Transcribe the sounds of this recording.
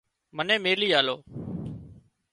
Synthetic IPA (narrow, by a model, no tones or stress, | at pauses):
mənẽːmeːliːaːloː